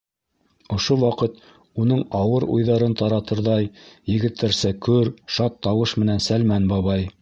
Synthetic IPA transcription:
ŏʃowɑqɤt̪ | unɤɴɑwɤɾṵjðɑɾɤnt̪ɑɾɑt̪ɤ̆ɾðɑjjɘ̆ɡɘ̆t̪ːæɾsækɵɾʃɑt̪ʰːɑwɤʃmɘ̆nænsælmænbɑβɑj

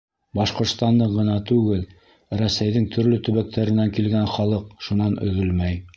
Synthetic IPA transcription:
bɑʃqŏɾt̪st̪ɑnd̪ɤɢɤ̆nɑt̪ʉɡɘl | ɾæsæjðɘŋt̪ʰɵ̆ɾlɵt̪ɵ̆βæk̚t̪ʰæɾɘ̆næŋkilɡænχɑlˠɤq̚ʃunɑnɵ̰̆ðɵlmæj

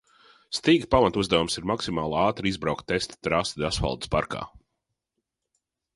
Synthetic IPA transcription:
st̪iːɡpamat̪uzd̪awumsiɾmaksimaːlˠaːt̪ɾizbɾawkt̪ːest̪t̪ɾast̪d̪asfa̰lˠd̪ɨ̥spa̰ɾka̰ː

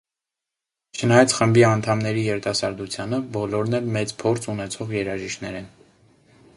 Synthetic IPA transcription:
t͡ʃʰənɑjɑt͡sʰχəmbiɑnt̪ʰɑmnɛɾijɛɾt̪ɑsɑɾd̪ut͡sʰjɑnəbɔlɔɾnɛlmɛt͡spʰɔɾt͡sʰunɛt͡sʰɔʁjɛɾɑʒiʃt̪nɛɾɛn

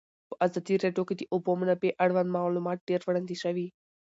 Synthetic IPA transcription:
pə̥ʔazad̪iɾeɖjoked̪əʔʊbomnabeʔaɽwand̪mɑlumɑt̪̚ɖeɾʋɽand̪iʃaʋi

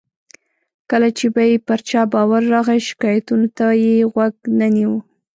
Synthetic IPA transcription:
kəlat͡ʃebajepəɾt͡ʃɑbɑwaɾːɑɣaʃɪ̥kɑjat̪unot̪ajeɣwaɡnaniwu

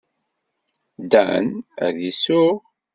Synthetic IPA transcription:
d̪æ̰næ̰ðisʊʁ

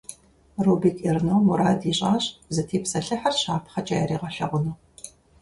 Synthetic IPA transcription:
ruːbiːkʼirnowmuɾaːdiɕʼaːɕʼzɐtʰeːpsɐɬɨħɐrɕaːpʰχɐt͡ʃʼaːjɛɾiːʁɐɬɐ̰ʁʷʊnoː

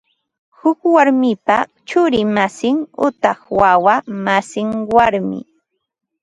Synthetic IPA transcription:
hʊkwaɾmɪpa | t͡ʃʊɾɪmasɪŋʊt̪ɑhwawamasɪŋwaɾmɪ̰

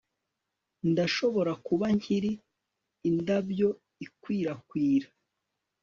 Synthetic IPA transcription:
ndaʃo̞βo̞ɾakuβaɲ̥iɾiː | ndabjo̞ | ikwiːɾakwiːɾḁ

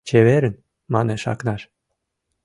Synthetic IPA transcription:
t͡ɕʰeβeɾən | mɑneʃɑ̰knɑʃ

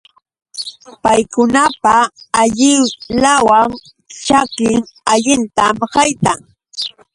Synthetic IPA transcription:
pajkʊnapaːʎɪwlawaŋ | t͡ʃakɪŋaʎɪnt̪amhɑjt̪aŋ

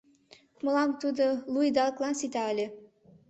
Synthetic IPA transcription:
mɤ̆lɑmt̪ud̪olujd̪ɑlklˠɑnsit̪ɑəlʲe

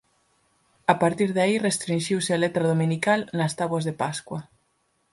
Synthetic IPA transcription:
apaɾt̪iɾðairest̪ɾinʃiwsɪalet̪ɾaðomĩnikalnɐst̪aβwɐzðepaskwɐ

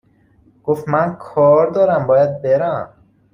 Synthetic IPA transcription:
ɡ̥oft̪mænkʰɒːɾd̪ɒːɾæmbɒːjæd̪̚beɾæm

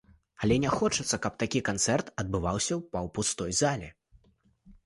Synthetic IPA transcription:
ɐlʲɛnʲɛxɔt͡ʂɐt̪sːɐkɐp̚t̪akʲikant̪sɛrt̪ɐd̪̚bɨvawsʲɐwpɐwpust̪ɔjzalʲɛ

